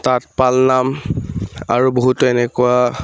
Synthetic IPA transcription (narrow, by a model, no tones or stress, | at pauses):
tatpalnam | a̰ɹuboɦutʊenɛkua